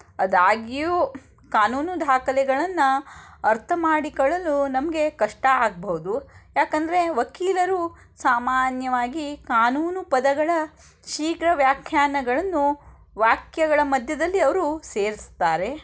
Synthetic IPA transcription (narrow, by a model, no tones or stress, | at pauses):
ɐd̪aːɡiju | kaːnuːnud̪ʱaːkɐlɛɡɐɭɐnːɐɐɾt̪ʰɐmaːɽikɔɭɐlːunɐmɐɡe̞kɐʂʈɐaːɡɐbɐɦud̪ujaːkɐnd̪ɐɾe̞ʋɐkiːlɐɾu | saːmaːnjɐʋaːɡikaːnuːnupɐd̪ɐɡɐɭɐ | ʃiːkɾɐʋjaːkʰjaːnɐɡɐɭɐnːu | ʋaːkjɐɡɐɭɐmɐd̪ʱjɐd̪ɐlːiɐʋɐɾuseːɾist̪aːɾe̞